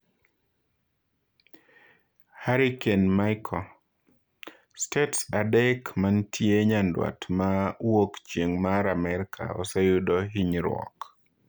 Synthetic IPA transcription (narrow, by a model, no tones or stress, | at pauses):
haɾikenmajkʰɔ | stetsadɛkmantʰjeɲandwa̰tmawokt͡ʃjeŋmaɾamɛɾkʰa̰ɔ̰sejʊdɔɦiɲɾwɔ̰k